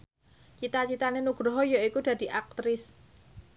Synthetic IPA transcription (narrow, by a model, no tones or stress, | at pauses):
t͡ʃit̪at͡ʃit̪anenuɡ̥ɾoɦɔjoikud̪̥ä̤d̪̥i̤ʔak̚t̪ɾɪs